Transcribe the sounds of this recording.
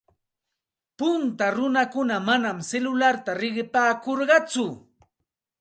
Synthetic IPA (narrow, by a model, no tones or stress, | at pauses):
pʊnt̪aɾʊnakʊnamanamselʊlaɾt̪aɾɪɢɪpaːkoɾɢɑt͡sʊ